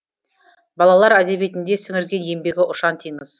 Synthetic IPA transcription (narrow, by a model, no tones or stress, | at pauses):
bɑlˠɑlˠɑɾæd̪e̞be̞t̪ɪnd̪e̞sɪŋɪɾɡʲe̞nje̞mbe̞ɡʲɪʔʊʃɑnt̪ʰijnəz̥